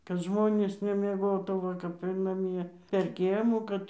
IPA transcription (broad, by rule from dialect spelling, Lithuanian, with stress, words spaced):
kɐt ˈʒmoːnʲeːs nʲɛmʲiɛˈɡoːtuː ˈʋɐ kɐp ɪr nɐˈmʲiɛ pʲɛr ˈkʲiɛmuː ˈkɐt